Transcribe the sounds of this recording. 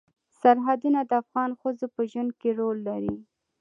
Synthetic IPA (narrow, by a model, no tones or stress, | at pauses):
saɾɦad̪unad̪əafɣɑnxəzopəʒwand̪̚keɾolːaɾi